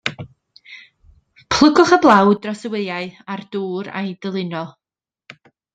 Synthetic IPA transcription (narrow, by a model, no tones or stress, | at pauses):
pʰl̥ˠəɡʊχəblˠawdrɔsəwɪðjaɨard̥uːɾa̰jdəlˠɨnɔlˠ